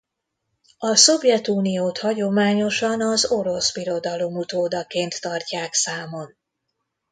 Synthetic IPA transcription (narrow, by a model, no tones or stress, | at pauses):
ɒso̞vjɛt̪uːnijoːt̪hɒɟo̞maːɲo̞ʃɒnɒzo̞ɾo̞sbiɾo̞d̪ɒlo̞mut̪oːd̪ɒkeːnt̪ːɒrcaːksaːmo̞n